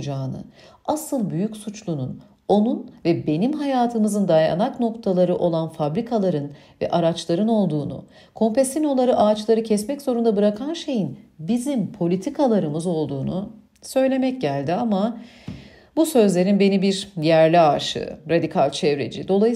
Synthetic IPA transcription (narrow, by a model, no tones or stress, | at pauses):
d͡ʒaːnɯ̰ | asɯlˠbyjycsut͡ʃlˠunun | o̞nunvɛbe̞nimɦajaːt̪ʰɯmɯzɯnd̪aja̰nakno̞kt̪ʰalˠaɾɯʔo̞lˠanfabɾikʰalˠaɾɯn | vɛ̰ʔaɾat͡ʃlˠaɾɯno̞lˠd̪uːnṵ | kʰo̞mpesino̞lˠaɾɯʔaːt͡ʃlˠaɾɯcʰɛsmɛcz̥o̞ɾund̪abɯɾakʰanʃe̞jinbizimpʰo̞lʲit̪ʰikʰalˠaɾɯmɯzo̞lˠd̪uːnu | sø̞jlʲe̞mɛc̚ɟælʲd̪iama | busø̞zlʲe̞ɾinbe̞nibiɾjæɾlʲiaʃɯ̰ɾad̪ikʰalʲt͡ʃʰɛvɾe̞̰d͡ʒḭd̪o̞lˠaj